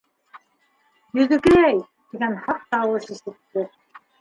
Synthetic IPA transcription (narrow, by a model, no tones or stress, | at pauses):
jɵ̆ðɘ̆kɘæj | t̪iɡænhɑq̚t̪ɑwɤʃisɘ̆t̪ːɘ